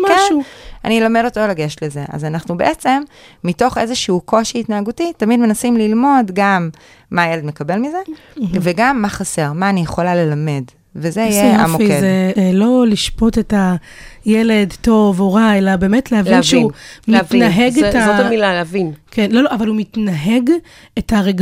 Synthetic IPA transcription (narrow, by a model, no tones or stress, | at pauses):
maeʃua̰nilamedo̞tolaɡeʃle̞ze̞ʔa̰zanaχnube̞ʔet͡se̞mːito̞χe̞zeʃiuko̞ʃiːtnaaɡutitamidme̞nasimlilmo̞dɡamː | ajeledme̞kabe̞lmize̞ | veɡamːaχase̞ʁmaːnijeχo̞lale̞lame̞d | vezeijjea̰moezelo̞liʃpo̞teta | jeledto̞voʁaelabe̞ːmetleavlnʃeiumlitnaɦeɡetaoamilaleavinkʰenloloavalumitnaɦe̞ɡ | etaʁeɡ